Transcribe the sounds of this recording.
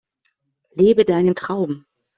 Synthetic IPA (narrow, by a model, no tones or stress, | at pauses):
leːbədaɪnəntʁ̥aʊbm̩